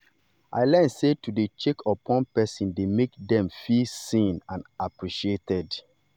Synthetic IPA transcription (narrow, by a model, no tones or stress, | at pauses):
ʔa̰ɪlɛnsetudet͡ʃekʰɔpʰɔ̃npɛsĩndemekdɛ̃mfilsĩnãnapɹiʃietɛd